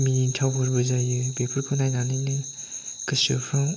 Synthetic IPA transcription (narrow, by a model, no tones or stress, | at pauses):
miintʰawbɯɾbɯzajɯbepʰɯɾkʰɯnajnanɯnɯ | kɯsɯpʰɯŋ